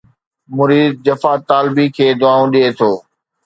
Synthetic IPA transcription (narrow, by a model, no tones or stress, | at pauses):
mʊɾiːd̪̚d͡ʑɐfaːt̪aːlbikʰeːd̪ʊaːũɗiet̪ʰoː